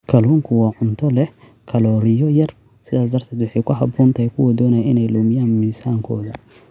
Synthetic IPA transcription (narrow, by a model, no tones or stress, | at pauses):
kʰɐluːŋkʰʊwɑːʕʊnt̪ʰɔlɛ | kʰɐlɔːɾɪjɔjɐr | sɪðaːs̬d̪ɐrt̪ʰɛːd̪wʊħɑjkʰʊɦɐbɔːnt̪ʰɐhɛkʰʊwad̪ɔːnɛjaʔɪnɛjlʊːmɪjaːnmiːsaːŋkʰɔ̰ːðɐ